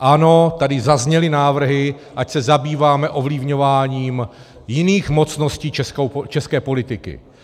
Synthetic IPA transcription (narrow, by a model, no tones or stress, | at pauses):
ʔano̞t̪adɪzazɲɛlɪnaːvr̩ɦɪ | ʔacsɛzabiːvaːmɛʔo̞vlɪvɲo̞vaːɲiːm | jɪniːxmo̞t͡sno̞sciːt͡ʃɛskowt͡ʃɛskɛːpo̞lɪt̪ɪkɪ̰